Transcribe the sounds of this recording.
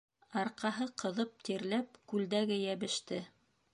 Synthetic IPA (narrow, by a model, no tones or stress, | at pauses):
ɑɾqɑɦɤqɤ̆ðɤp̚t̪iɾlæp̚kʉld̪æɡɘjæβɘ̆ʃt̪ɘ